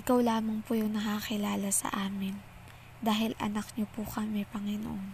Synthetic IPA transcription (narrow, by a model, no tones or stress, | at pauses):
ʔɪkawlaːmɐŋpʊjʊŋnɐkakɪlaːlɐsɐ̰ʔaːmɪn | d̪aːɦɪlɐ̰nɐk̚ɲopʊkɐmɛpɐŋɪno̰ʔon